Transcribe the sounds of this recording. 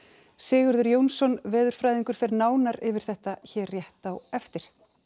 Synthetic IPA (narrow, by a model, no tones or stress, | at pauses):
sɪːɣʏɾðʏɾjoːwnsɔnvɛːðʏɾ̥fɾaːjðiŋkʏɾ̥fɛɾnaːwnaɾɪvɪɾ̥θɛht̪açɛrjɛht̪awɛft̪ɪɾ̥